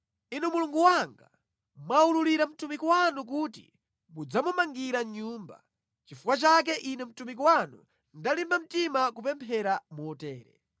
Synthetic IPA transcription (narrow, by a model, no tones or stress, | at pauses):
inumuluŋɡuwaŋɡa | mwaululiɾam̩tumikuwanuk̬uːtḭ | mud͡zamumaŋɡiɾaɲuːmba̰ | t͡ʃifukwat͡ʃak̬ɛʔinɛm̩tumik̬uwanṵ | ndalimbam̩timakupɛmpʰɛɾamuɔtɛːɾɛ̰